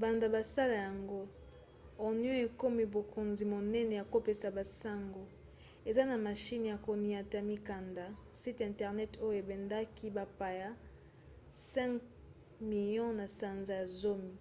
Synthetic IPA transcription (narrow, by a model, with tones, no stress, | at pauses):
ba˨nda˨ba˨sa˦la˨ja˨ŋɡo˦ | o˨njɔ̃˦e˨ko˦mi˨bo˨ko˨nzi˨mo˨nɛ˦nɛ˨ja˨ko˦pe˨sa˨ba˨sa˦ŋɡo˨ | e˨za˦na˨ma˨ʃi˦n˨ja˨ko˨ni˨a˨ta˨mi˦ka˨nda˨si˦tɛ̃˨ntɛ˨ʁnɛ˦to˦jo˦e˨bɛ˨nda˦ki˦ba˨pa˨ja˦ | sɛ̃˦ŋk | mi˨ljɔ̃˦na˨sa˨nza˨ja˨zo˦mi˨